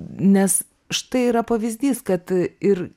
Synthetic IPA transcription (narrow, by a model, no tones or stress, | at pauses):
nʲɛs | ʃt̪ɐɪiːɾɐpɐʋʲɪzʲd̪ʲiːskɐt̪ɪɾ